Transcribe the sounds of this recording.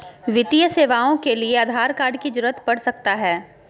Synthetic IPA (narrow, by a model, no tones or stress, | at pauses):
ʋɪt̪ijəseːʋaːõkelieɐd̪ʱaːɾkaːɾɖkid͡ʒʊɾət̪pɐɽsɐk̚t̪aɦɛː